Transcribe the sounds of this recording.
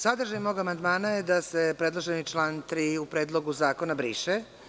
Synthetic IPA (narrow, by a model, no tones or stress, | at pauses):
sad̪r̩ʒajmoːɡamand̪maːnajed̪asepɾed̪lˠo̞ʒenit͡ʃlaːnt̪ɾiupɾed̪lˠo̞ɡuzaːko̞nabɾiːʃe